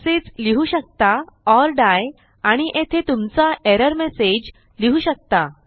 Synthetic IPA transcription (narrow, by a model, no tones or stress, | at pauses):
seːd͡zliɦuɕək̚t̪aɔɾɖaj | aɽ̃iʔet̪ʰet̪umt͡saʔeɾəɾmesed͡ʑ | liɦuːɕək̚t̪a